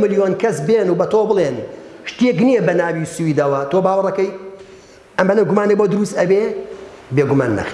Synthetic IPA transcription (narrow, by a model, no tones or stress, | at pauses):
mɨljoːnkʰɐsbeːnubɐt̪oːbɨlˠenʃt̪ijek̬nijɛbɐnaːwisuwiːd̪ɐwɐt̪oːbaːwɐrˤɐkɐj | ʔɐmːɐnɐɡʊmaːneboːd̪ʊɾust̪ɐbebeːɡuma̰ːnːɐ̰x